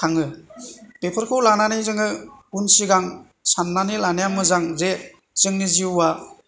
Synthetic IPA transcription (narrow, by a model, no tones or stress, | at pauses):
kʰaŋɯ | bepʰɯɾkʰɯwlananijzɯŋɯunsiɡaŋ | sanːanilanejamɯzaŋze | z̥ɯŋniziuwa